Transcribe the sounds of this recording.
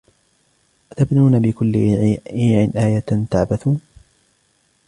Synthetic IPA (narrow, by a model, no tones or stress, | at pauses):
ʔat̪abnuːnabɪkʊlːɪiːʕɪnʔaːjat̪aʕbaθuː